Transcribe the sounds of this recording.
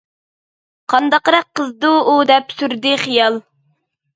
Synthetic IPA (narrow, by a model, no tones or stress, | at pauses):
qʰɑnd̪ɑqɾɑqːəzd̪uud̪ɛpsyɾd̪ɪχijɑlˠ